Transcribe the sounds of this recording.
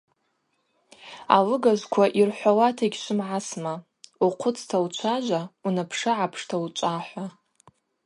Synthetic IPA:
a̰lɨɡazʷkʷʰaʔirħʷawatʰaɡʲʃʷʊmʕasma | uqʷʰʊt͡sʰtʰawt͡ʃʷʰaʒʷaunapʰʂɨʕapʰʂtʰaut͡ʃʷʼaħʷa

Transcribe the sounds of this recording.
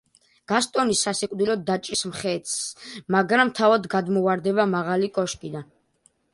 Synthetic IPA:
ɡ̥ast̪ʼɔnisasɛkʼd̪ilɔd̪ːat͡ʃʼɾismχɛt̪smaɡɾamt̪ʰavad̪ɡad̪mɔvaɾd̪ɛbamaʁalikʼɔʃkʼid̪an

